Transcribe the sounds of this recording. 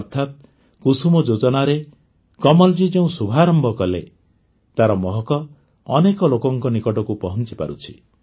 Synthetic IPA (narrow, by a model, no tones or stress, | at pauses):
ɾt̪ʰat̪̚ | kusumɔd͡ʒod͡ʒɔnaɾe | kɔmɔld͡ʒid͡ʒeũsubʱaɾɔmbɔkɔle | t̪aɾɔmɔɦɔkɔː | nekɔlokɔŋkɔnikɔʈɔkupɔɦɔnt͡ʃipa̰ɾut͡ʃʰḭ